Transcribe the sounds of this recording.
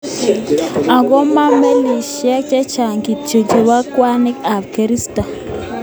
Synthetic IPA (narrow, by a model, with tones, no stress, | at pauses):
a˨ɡo˦ma˦me˦ni˨ʃa˦t͡ʃe˦t͡ʃa˨ŋɡi˨t͡ʃo˨d͡ʒe˨wa˦kwa˦ni˦ka˨fɡa˨ɾi˦sta˨